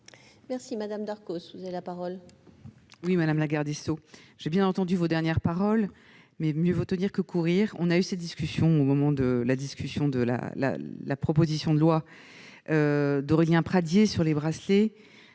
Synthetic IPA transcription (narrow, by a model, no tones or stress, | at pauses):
mɛʁsimad̪amd̪aʁkosvuzavelapaʁɔl | wimad̪amlaɡaʁd̪esoʒ̥ebjɛ̃nɑ̃t̪ɑ̃d̪yvod̪ɛʁnjɛʁpaʁɔl | mɛmjøvot̪əniʁkəkuʁiʁɔ̃naysɛt̪̚d̪iskʲysjɔ̃omɔmɑ̃d̪əlad̪iskʲysjɔ̃d̪əla̰la̰lapχɔpozisjɔ̃d̪əlwa | ød̪ɔʁiljɛ̃pχad̪jesyʁlebʁasle